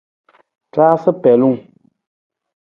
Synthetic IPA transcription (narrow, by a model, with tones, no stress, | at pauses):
taː˦sɨ˦pɛ˨lu˦˨ŋ